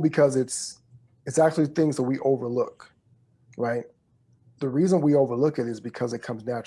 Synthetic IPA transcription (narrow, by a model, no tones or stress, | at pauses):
bɨkʰʌzɨts | ɨtsæk̚t͡ʃʉl̩ˠiθɪ̃ŋzðət̚wiʔoʊvə˞lʊk | ɹaɪt̪̚ | ðɨɹizə̃nwioʊvə˞lʊkɨɾɨzbɨkʰʌzɨt̚kʰʌ̃mznæt͡ʃ